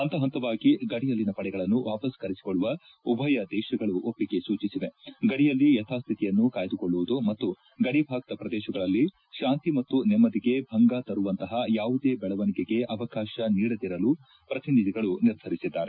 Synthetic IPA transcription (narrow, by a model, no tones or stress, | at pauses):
ɐnt̪ɐɦɐnt̪ɐʋaːɡiɡɐɽijɐlːinɐpɐɽɛɡɐɭɐnːuʋaːpɐskɐɾisi̥koɭːuʋɐ | ubʱɐjɐd̪ɛːʃɐɡɐɭuʔopːiɡe̞suːt͡ʃisiʋe̞ɡɐɽijɐlːijɛt̪ʰaːst̪ʰit̪ijɐnːukaːjd̪ukoɭːuʋud̪umɐt̪ːu | ɡɐɽibʱaːɡ̚t̪ɐpɾɐd̪ɛːʃɐɡɐɭɐlːi | ʃaːnt̪imɐt̪ːunɛmːɐd̪iɡe̞bʱɐŋɡat̪ɐɾuʋɐnt̪ɐɦɐjaːʋud̪eːbɛɭɐʋɐnikeɡe̞ʔɐʋɐkaːʃɐniːɽɐd̪iɾɐlu | pɾɐt̪ʰinid̪iɡɐɭuniɾd̪ʱɐɾisid̪ːaːɾe